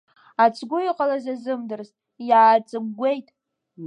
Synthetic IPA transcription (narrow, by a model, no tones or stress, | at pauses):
at͡sʼʰɡʷʊiqʼalazazɨmdɨrztʼ | jaːt͡sʼɨmɡʷe̞jtʼ